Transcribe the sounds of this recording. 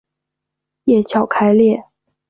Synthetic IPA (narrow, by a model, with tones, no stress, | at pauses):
jɛ˥˩t͡ɕʰjɑ˨˩ʊkʰa˧˥ɪljɛ˥˩